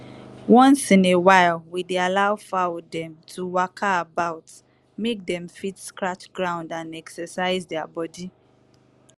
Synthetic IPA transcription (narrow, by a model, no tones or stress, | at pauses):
wɔ̃nsĩnewaɪlwidealaʊfadɛ̃mtʰuwakʰaːbaʊt | mek̚dɛ̃mfitskɹat͡ʃɡ̥ɹãʊ̃ndãnɛksəsaɪzdɛabɔdi